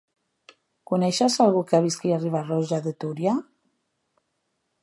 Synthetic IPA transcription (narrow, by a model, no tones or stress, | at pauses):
kunɛʃasalˠɣukeaβiskiariβarɔʒaðet̪uɾja